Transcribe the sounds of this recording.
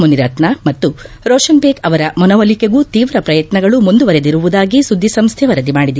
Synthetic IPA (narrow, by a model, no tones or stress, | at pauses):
muniɾɐt̪nɐmɐt̪ːu | ɾɔːʂɐnbeːkɐʋɐɾɐmɔnɐʋɐlikeɡut̪iːʋɾɐpɾɐjɐt̪nɐɡɐɭumund̪uʋɐɾed̪iɾuʋud̪aːɡisud̪ʱːisɐmst̪ʰɛʋɐɾɐd̪imaːɽid̪i